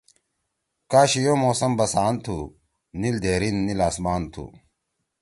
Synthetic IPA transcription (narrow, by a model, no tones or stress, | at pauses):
kaːɕijomoːsɐmbɐsaːnt̪ʰu | nild̪eːɾinːilaːsmaːnt̪ʰṵ